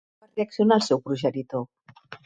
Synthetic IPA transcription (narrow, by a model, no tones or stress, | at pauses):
əreəksjonalˠsɛwpɾuʒənit̪o